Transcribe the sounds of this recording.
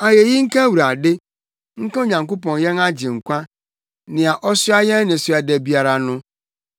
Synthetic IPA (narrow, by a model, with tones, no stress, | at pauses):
a˨je˨ji˦ŋ̩˦ka˦wu˨ɾa˨dɪ˦ | ŋ̩˦ka˦o˦ɲã˨ŋko˦pɔ̃˨njɛ˦na˦d͡ʑɪ˨ŋ̩˨kʷã˦ | nɪ̃˨a˨ʔɔ˦sʊ˦a˦jɛ̃˦n˦nɪ̃˨sʊ˨a˨dɛ˨bi˨a˨ɾa˨nʊ̃˦